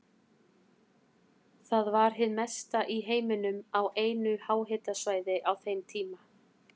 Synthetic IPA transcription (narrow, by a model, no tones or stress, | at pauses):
θaðvaɾ̥ɦɪðmɛst̪aʔiɦeːjmɪnʏmawʔeːjnʏhaːwɦɪt̪asvaːjðɪʔawθejmt̪ʰiːma